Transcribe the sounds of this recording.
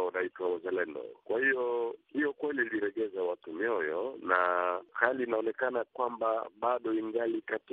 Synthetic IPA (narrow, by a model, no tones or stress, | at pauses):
anaitwauzalɛndɔ̰kwahijɔhijɔkwɛliliɾɛɡɛzawatumjɔjɔnahalinaɔnɛkanakwambabaɗɔiŋɡalikati